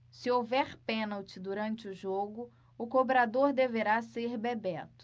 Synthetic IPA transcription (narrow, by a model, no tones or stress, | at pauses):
sɪowvɛɾpẽnawt͡ʃɪd̪uɾɐ̃nt͡ʃɪʊʒoɡʊ | ʊkobɾad̪oɾd̪eveɾaseɾbebɛt̪ʊ̥